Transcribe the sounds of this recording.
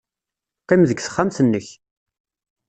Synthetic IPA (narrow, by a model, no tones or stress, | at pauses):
qæmðəɡθə̥χːamθənːəç